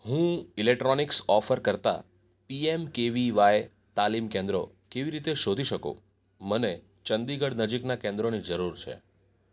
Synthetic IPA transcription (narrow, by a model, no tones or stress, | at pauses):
ɦũilek̚ʈɾɔniksɔfəɾkəɾt̪a̰ | piemkeʋiʋaje | t̪alimkẽnd̪ɾo̰ | keʋiɾit̪eʃod̪ʱiʃəkõ̰ | məne | t͡ʃənd̪iɡəɽnəd͡ʒiknakẽnd̪ɾonid͡ʒəɾuɾt͡ʃʰḛ